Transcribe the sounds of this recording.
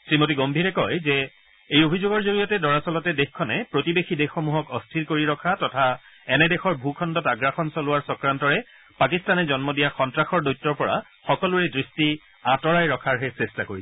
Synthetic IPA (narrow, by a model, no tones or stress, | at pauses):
sɹimotiɡombʱiɹɛkɔjzɛ | ejobʱizoɡɔɹzoɹijɔtɛdɔɹasɔlɔtɛdexkʰɔnɛpɹotibexʰidexxomuɦɔkɔstʰilkoɹiɹɔkʰatɔtʰaɛnɛdɛxɔɹbʱukʰɔndɔtaɡɹaxɔnsɔlʊwaɹsɔkɹantɔɹɛ | pakistanɛzɔnmɔdijaxɔntɹaxɔɹdojtːɔɹpɔɹa̰ | xɔkɔluɹɛdɹisti | atɔɹajɹɔkʰaɹɦɛsestakoɹisɛ